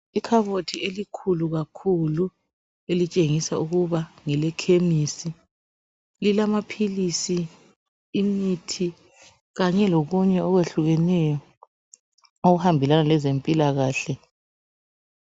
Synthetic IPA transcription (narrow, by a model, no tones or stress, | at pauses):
ikʰaβotʰielikʰuluɣakʰulu | elit͡ʃʼeŋisauɣuβaŋɛlɛkʰemisi | lilamapʰilisiː | mitʰi | ɣaɲɛloɣuɲɛɔɣweɬuɣɛnɛjɔ | oɣuhambʱilanalɛzempʼilaɣaːɬɛ